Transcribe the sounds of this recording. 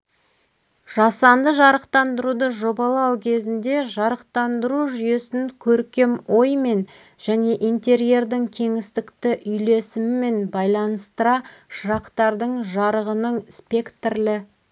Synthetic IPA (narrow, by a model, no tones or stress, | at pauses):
ʒ̥ɑsɑnd̪əʒɑɾəqt̪ɑnd̪əɾud̪əʒo̞bɑlˠɑwkʲʰe̞zɪnd̪e̞ʒɑɾəq̚t̪ɑnd̪əɾuʒʏje̞sɪŋkʲʰɵɾkʲe̞mo̞jme̞n | ʒ̥æne̞ʔijnt̪e̞ɾije̞ɾd̪ɪŋkʲʰe̞ŋɪst̪ɪkt̪ɪʔʏjle̞sɪmɪme̞nbɑjlˠɑnəst̪əɾɑʃəɾɑqt̪ɑɾd̪əɴʒɑɾəʁənəɴspe̞kt̪rlɪ